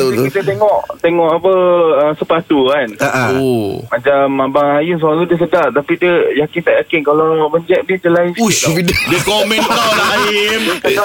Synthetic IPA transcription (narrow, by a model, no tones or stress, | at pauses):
ikit̪ət̪eŋɔʔt̪eŋɔʔapəəsəpat̪uanaomãt͡ʃamːabaŋajɪns̬aaludiəs̬ədaʔt̪apidiəjakɪnt̪aʔjakɪnkalawbəɲd͡ʒɛʔ̚nidəlaɪnsufidədikomɛ̃nɔlainkaa